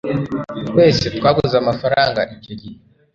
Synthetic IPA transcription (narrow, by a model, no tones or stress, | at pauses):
kwe̞ːset̪kwaːɡuzamafaɾaːŋɡa̰ʔiciɾi